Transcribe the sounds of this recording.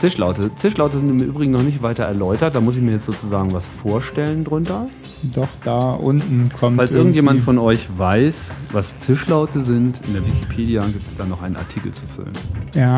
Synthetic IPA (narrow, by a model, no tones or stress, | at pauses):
t͡sɪʃla̰ʊtət͡sɪʃlaʊtəzɪntɪmʔy̰ːbʁɪɡŋ̩nɔχnɪçtv̥aɪtɐɛɐlɔʏtɐt̚d̥aːmʊs̬ɪç̬miːɐjɛt͡stz̥oːt͡suzaːɡŋ̩vasfoːɐʃtɛləndʁʊntɐ | d̥ɔχd̥aːʔʊntn̩kʰɔmfalsʔɪɐɡŋ̩tjeːmanfɔnɔʏçvaɪsvast͡sɪʃlaʊtəzɪntʔɪ̰ndeːɐvikʰipʰeːdijaɡiːp̚tɛ̥sd̥aːnɔχʔaɪnənʔaɐtʰiːkl̩t͡sufʏ̰lə̰njaː